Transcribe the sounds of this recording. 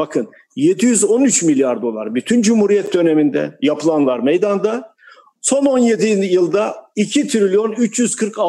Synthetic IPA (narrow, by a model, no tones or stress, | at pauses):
bakʰɯn | je̞d̪ijyzo̞nyt͡ʃmilʲjaɾd̪o̞lˠa̰ɾbyt̪ʰynd͡ʒumhuɾijɛt̪̚d̪ø̞ne̞mind̪ɛ̰japʰɯlˠanlˠaɾmejd̪and̪a | so̞no̞nje̞d̪ijɯlˠd̪aicʰit̪ʰɾilʲijo̞nyt͡ʃjyz̥kʰɯɾka